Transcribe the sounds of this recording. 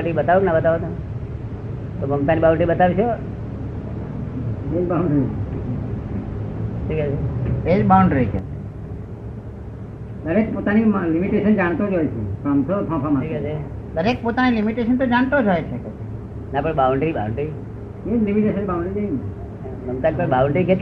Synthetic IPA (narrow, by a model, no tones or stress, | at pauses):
ɳɖɾibət̪aʋoknabət̪aʋot̪o | t̪ɔməpt̪anibawɳɖɾibət̪aʋit͡ʃʰo | ped͡ʒbauɳɖɾi | ʈʰiːkat͡ʃʰeped͡ʒbawɳɖɾit͡ʃʰḛt͡ʃʰe | d̪əɾek̚pot̪animlimiʈesənd͡ʒaɽ̃t̪od͡ʒɔjt͡ʃʰḛkamt̪otʰɔ̃pʰamaiːkat͡ʃʰe | d̪əɾek̚pot̪anilimiʈesənt̪od͡ʒaɳt̪od͡ʒʱɔjt͡ʃʰeket͡ʃʰ | napəɽbawɳɖɾibawɳɖɾi | ed͡ʒlimiʈesənibawɳɖɾid͡ʒ̪ejn | məmt̪anipəɽbawɳɖɾiket̪